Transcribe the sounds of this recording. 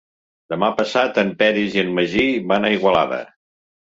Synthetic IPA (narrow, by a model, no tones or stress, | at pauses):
d̪əmapəsat̪əmpɛɾiziənməʒiβanaiɣwəla̰ðə̰